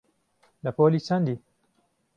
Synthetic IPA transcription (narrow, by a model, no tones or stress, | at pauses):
lɐpoːliːt͡ʃʰɐnd̪i